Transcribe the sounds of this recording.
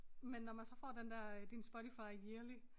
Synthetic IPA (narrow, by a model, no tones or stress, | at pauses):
menːɒmænsɒ̽fɒ̰ːd̥end̥ɛɐd̥insb̥oɾʰifɑ̈ɪkiɐli